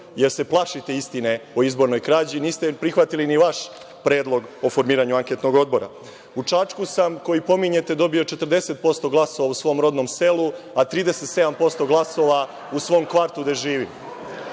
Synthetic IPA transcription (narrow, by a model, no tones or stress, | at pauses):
je̞ɾse̞plˠaʃit̪e̞ist̪ine̞oizboɾno̞jkɾaːd͡ʑiniːst̪epɾixʋat̪iliniʋaʃ | pɾe̞ːd̪lˠo̞ɡo̞fo̞ɾmiːɾaɲuaŋket̪no̞ɡo̞d̪̚bo̞ɾa̰ | ut͡ʂat͡ʃkusamko̞jipo̞miɲe̞t̪e̞d̪o̞bio̞t͡ʃet̪r̩d̪e̞se̞t̪̚po̞st̪o̞ɡlˠaso̞ːʋausʋoːmɾo̞d̪no̞mse̞luat̪ɾiːd̪ese̞t̪se̞d̪ampo̞st̪o̞ɡlˠaso̞ʋa | usʋo̞ːmkʋaɾt̪ud̪eʒiːʋim